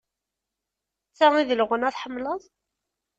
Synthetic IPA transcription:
t͡sːæiðəlʁənæθħəmːləðˤ

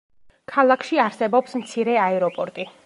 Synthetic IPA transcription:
kʰalˠakʰʃiaɾsɛbɔpsmt̪sʰiɾɛaɛɾɔpʼɔɾt̪ʼi

